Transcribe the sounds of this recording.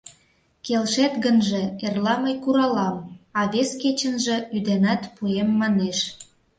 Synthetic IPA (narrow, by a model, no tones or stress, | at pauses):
kelʃet̪ɣənʒĕerlɑməjkuɾɑlɑmɑβesket͡ɕə̆nʒĕyd̪enɑt̪puemːɑneʃ